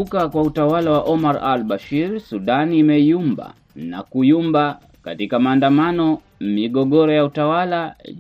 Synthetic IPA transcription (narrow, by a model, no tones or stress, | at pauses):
ukakwautawalawaʔɔmaɾalɓaʃiɾsuɗanːmɛijumba̰ | na̰kujumba | katikamaːndamanɔ | miɠɔɠɔɾɔjautawala